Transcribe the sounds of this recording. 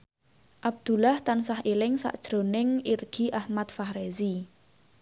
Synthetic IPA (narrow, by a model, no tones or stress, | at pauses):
ʔab̚d̪̥ulaht̪ansahilɪŋsa̰ʔd̥ʒ̥ɾo̤nɪŋirɡ̥i̤ʔahmat̪̚fahɾezi